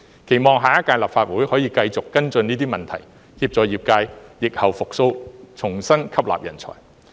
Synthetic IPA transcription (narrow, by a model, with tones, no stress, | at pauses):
kʰe˨˩jmɔː˨˧ŋɦaː˨˩ja˥kaː˧jlaː˨p̚faː˧t̚wuː˨˥jhɔː˨˥jiː˧kɐ˧jt͡sʊ˨kːɐ˥nt͡sɵ˧niː˥t̪iː˥mɐ˨nt̪ʰɐ˨˩j | hiː˧p̚t͡sɔː˨˧jiː˨p̚kaː˧jːɪ˨k̚hɐ˨˩wfʊ˨k̚so˧wt͡sʰʊ˨˩ŋsɐ˥nkʰɐ˥p̚la̰ː˨p̚jɐ̰˨˩nt͡sʰɔ̰ː˨˩j